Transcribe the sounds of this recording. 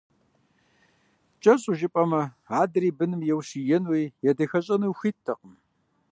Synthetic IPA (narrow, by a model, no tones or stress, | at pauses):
t͡ʃʼɐɕʼʊʒɪpʼɐmɐ | aːdɨɾiːbɨnɨmjɛwɕijɛnwiːjɛdɐxɐɕʼɐnuwxʷiːtʰːɐqəm